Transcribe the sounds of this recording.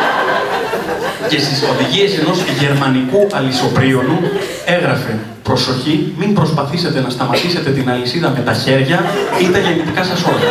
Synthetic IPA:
ce̞st̪iso̞ðiʝie̞se̞no̞zʝe̞ɾmɐnikuʔɐliso̞pɾio̞nu | e̞ɣɾɐfe̞ | pɾo̞so̞çimimbɾo̞spɐθise̞t̪e̞nɐst̪ɐmɐt̪ise̞t̪e̞t̪inɐlisiðɐme̞t̪ɐçe̞ɾʝɐit̪ɐʝe̞nit̪ikɐsɐso̞lɐ

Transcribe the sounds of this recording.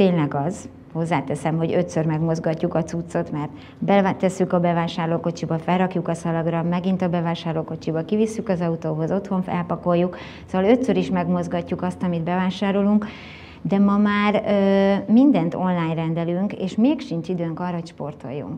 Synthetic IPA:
t̪eːnlɛɡɒz̥ | ho̞zːaːt̪ɛsɛmɦo̞ɟø̞t̪sørmɛɡmo̞zɡɒcːukɒt̪sut̪so̞t̪mɛrt̪ | bɛt̪ɛsːykɒbɛvaːʃaːrloːko̞t͡ʃibɒfɛlrɒkjukɒsɒlɒɡrɒmɛɡint̪ɒbɛvaːʃaːrloːko̞t͡ʃibɒkivisːykɒzɒut̪oːbɒzo̞t̪ho̞ɱfɛlpɒko̞jːuk | sovɒløt̪søɾiʃmɛɡmo̞zɡɒcːukɒst̪ɒmid̪bɛvaːʃaːɾo̞luŋk | d̪ɛmɒmaːrøːmind̪ɛnt̪o̞nlaːɲrɛnd̪ɛlyŋkḛːʃmeːkʃiɲt͡ʃid̪øːŋkɒːrːɒɦo̞cʃpo̞rt̪o̞̰jːṵŋk

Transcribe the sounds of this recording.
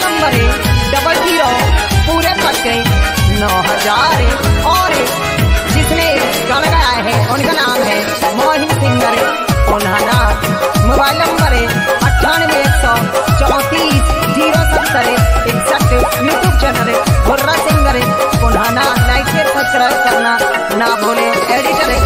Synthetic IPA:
nəmbəɾɖɐbəld͡ʒiːɾopuːɾepʰɐɾke | nɔːɦəd͡ʒaːɾɔːɾ | d͡ʒɪsne | ɡañɡaaːeɦɛ̃ʔʊnkanaːmɦɛ | mɔːɦɪmsɪ̃ŋɡəɾ | ʊnɦaːna | moːbaːɪlnɐ̃mbəɾɛ | ɐʈʰːaːñmẽeksɔ | t͡ʃɔːt̪iːs | d͡ʒiːɾosɐnt̪əɾeeːksɐʈːjuːʈjuːb̚t͡ʃɛːnəlebʊɾːasɪ̃ŋɡəɾe | ʊnɦananaːɪkeɾsɐd̪̚kɾaskɐɾna | nabʱoːlẽ | eːɽɪʈəɾɛ

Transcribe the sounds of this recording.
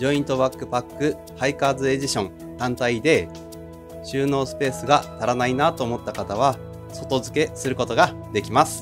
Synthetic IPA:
d͡ʑo̞ĩnt̪o̞βakːɯ̟pakːɯ̟ | haikaːzɨe̞d͡ʑiɕõ̞ŋ | t̪ãnt̪aid̪e̞ | ɕɨːno̞ːsɨ̥pe̞ːsɨɡat̪aɾanainat̪o̞ːmo̞t̪ːakat̪aβ̞a | so̞t̪o̞zɨke̞sɨɾɯ̟ko̞t̪o̞ɡa | d̪e̞kʲimasɨ̥

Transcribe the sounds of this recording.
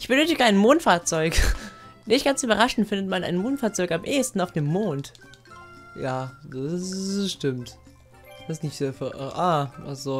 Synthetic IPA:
ʔɪçb̥ənøːtɪɡəaɪnmoːntfaːɐt͡sɔʏk | nɪçtɡ̥ant͡syːbɐʁ̞aʃn̩tfɪndətmana̰ɪnmoːntfaːɐt͡sɔʏkamʔeːəstn̩aʊfd̥eːmːoːnt | jaːdaʃtɪmt | v̥aɪsnɪçtːfyʔʔaːa̰z̥oː

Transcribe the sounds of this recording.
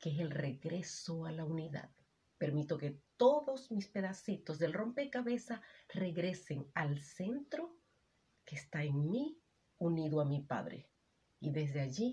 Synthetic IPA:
kees̬e̞lre̞ɣɾe̞so̞alauniða̰ð | pe̞ɾmit̪o̞ke̞t̪o̞ðo̞smispe̞ðasit̪o̞sðe̞lro̞mpe̞kaβe̞sare̞ɣɾe̞se̞ŋalse̞nt̪ɾo̞ | keːst̪aeŋmi | uniðoamipa̰ðɾḛ | iðe̞sðeaʝi

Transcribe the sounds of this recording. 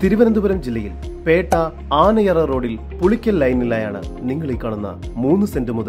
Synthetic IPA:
t̪iɾuʋɐnɐnd̪ubɐɾɐmd͡ʑilːɐjilpe̞ːʈːɐ | aːnɐjɐrɐro̞ːɽil | puɭikʲːɐllɐjnilːaːjaːɳɨ̰niŋːɐɭekːɐːɳunːɐ̰muːnːɨsendɨmuðɐ

